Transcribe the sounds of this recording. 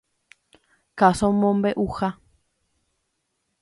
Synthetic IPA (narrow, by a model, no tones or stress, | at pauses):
kasomõmbeʔuxa